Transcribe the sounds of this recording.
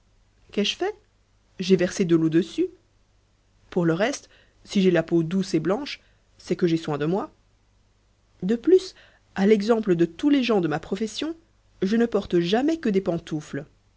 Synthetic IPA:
kɛʒəfɛ | ʒevɛʁsed̪əlod̪əsy | puʁləʁɛst̪ | siʒelapod̪useblɑ̃ʃ | sɛkəʒeswɛ̃d̪əmwa | d̪əplys | alɛɡzɑ̃pləd̪ət̪uleʒɑ̃d̪əmapχɔfɛsjɔ̃ | ʒənəpɔʁt̪ʒamɛkəd̪epɑ̃t̪ufl

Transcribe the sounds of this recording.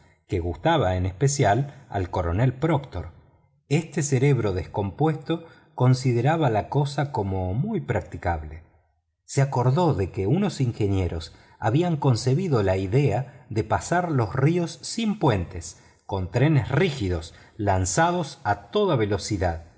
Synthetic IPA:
keɣust̪aβaenespesjala̰lko̞ɾo̞̰nelpɾokt̪o̞̰ɾ | est̪eseɾe̞β̞ɾo̞ðesko̞mpwe̞st̪o̞ | ko̞nsiðeɾaβalako̞sako̞mo̞mujpɾak̚t̪ikaβle | seako̞ɾðo̞ðe̞keuno̞siŋxe̞nje̞ɾos | aβiaŋko̞nse̞βiðo̞laiðeaðe̞pasaɾlo̞srio̞sːimpwe̞nt̪es | ko̞nt̪ɾenesrixiðo̞s | lansað̞o̞sat̪o̞ðaβe̞lo̞siðað

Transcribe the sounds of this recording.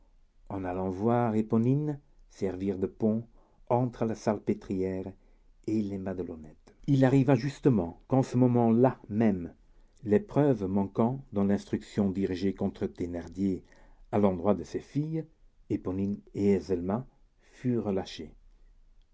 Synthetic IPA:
ɑ̃nalɑ̃vwaːʁepɔnin | sɛʁviʁd̪əpɔ̃ | ɑ̃t̪χəlasalpet̪χijɛːʁ | elɛmad̪əlonɛt̪ilaʁivaʒyst̪əmɑ̃kɑ̃səmɔmɑ̃lamɛm | lepχœvmɑ̃kɑ̃d̪ɑ̃lɛ̃st̪χyksjɔ̃d̪iʁiʒekɔ̃t̪χət̪enaʁd̪je | alɑ̃d̪ʁwad̪əsefij | epɔnineɛzɛlmã | fyʁəlaʃe

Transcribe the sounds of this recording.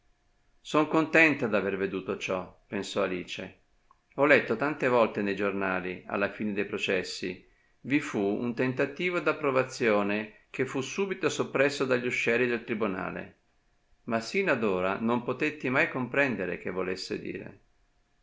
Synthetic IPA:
soŋkont̪ɛnt̪ad̪averved̪uːt̪ot͡ʃɔpensɔaliːt͡ʃḛ | ɔlːɛt̪ːot̪ant̪evɔlt̪enejd͡ʒornaːlia̰lːafiːned̪ejpɾot͡ʃɛsːḭ | vifuṵnt̪ent̪at̪iːvod̪apːɾovat̪sːjoːnek̟efːusuːbit̪osopːɾɛsːod̪aʎːuʃːɛːlid̪elt̪ɾibuna̰ːlḛ | masinad̪oːɾa̰nompot̪et̪ːimajkompɾɛnd̪eɾḛk̟evːolesːḛd̪ḭːɾḛ

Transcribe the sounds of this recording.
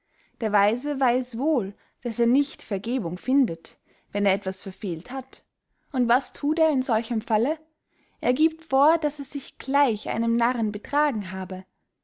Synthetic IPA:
d̥eːɐvaɪzəvaɪsv̥oːl | d̥aseːɐnɪçtfɛɐɡeːbʊŋfɪndət | vɛneːɐɛtv̥asfɛɐfeːlthat | ʊntv̥astʰuːteːɐɪnzɔlçəmfalə | ʔeːɐɡiːp̚tfoːɐd̥aseːɐz̥ɪçɡ̥laɪçʔa̰ɪnəmnaʁənbətʁ̥aːɡŋ̩ɦaːbə

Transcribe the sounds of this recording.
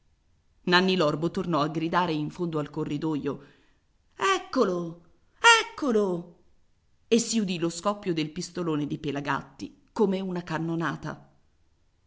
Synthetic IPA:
nanːilɔrbot̪ornɔaɡɾid̪aːɾeiɱfond̪oalkorːid̪ojo | ɛkːolo | ɛkːolo | esːiud̪iloskɔpːjod̪elpist̪oloːned̪ipelaɡa̰t̪ːi | komeunakanːonaːt̪a̰

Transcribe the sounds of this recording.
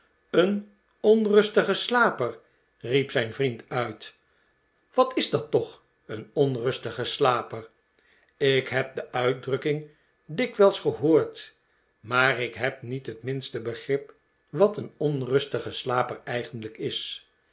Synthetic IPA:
ən | ɔnrɵstəχəslaːpər | ripsɛjnvrintœɥt | ʋɑtɪzdɑtɔχ | ənɔnrɵstəχəslaːpər | ɪkɦɛp̚dəʔœɥt̚drɵkɪŋ | dɪkʋɛlˠsχəɦoːɹt | maːrɪkɦɛp̚nitɦətmɪnstəbəχrɪp | ʋɑtənɔnrɵstəχəslaːpəɹɛjχəndləkɪs

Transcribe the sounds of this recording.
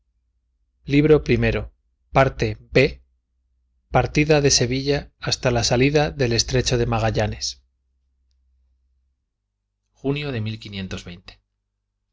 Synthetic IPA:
liβ̞ɾo̞pɾime̞ɾo̞ | paɾt̪e̞be̞ | paɾt̪iðaðe̞se̞β̞iʎaːst̪alasaliðaðe̞le̞st̪ɾe̞t͡ʃo̞ð̞e̞maɣ̞aʎane̞s | xunjoðe̞milkinje̞nt̪o̞zβe̞jnt̪e̥

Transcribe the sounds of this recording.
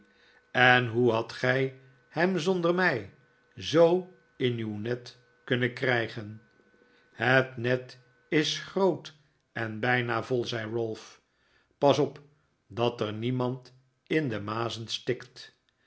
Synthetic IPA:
ɛnɦuɦɑtχɛj | hɛmzɔndərmɛj | zow | ɪnywnɛt | kɵnəkrɛjχən | hətnɛt | ɪsχrowt | ɛnbɛjnavɔlˠzɛjɹølˠf | pɑsɔp | dɑtərnimɑnt | ɪndəmaːzənstɪkt

